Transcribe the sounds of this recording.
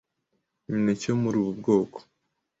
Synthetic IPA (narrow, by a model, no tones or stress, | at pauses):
ɲinecomuɾiβub̚ɡo̞ːko̥